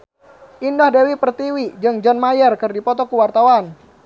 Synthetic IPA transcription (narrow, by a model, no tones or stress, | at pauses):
ʔindahdewipərt̪iwid͡ʒɨŋd͡ʒɔnmajərkɨrdipɔt̪ɔkuwart̪awan